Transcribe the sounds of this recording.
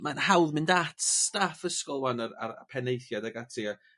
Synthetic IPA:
manhawðmɪndatʰstafəskɔlˠwanaɾa̰r̰pʰɛnejθjadaɡatʰia

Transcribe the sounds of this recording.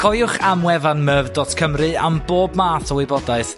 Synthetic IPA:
kʰɔjʊχamwɛvanməvdɔtkʰəmrɨa̰mboːbmaːtʰɔwɪbɔdaɨθ

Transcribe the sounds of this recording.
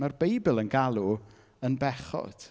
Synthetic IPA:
marbejbɪlˠənɡalˠu | ənbɛχɔ̰d̥

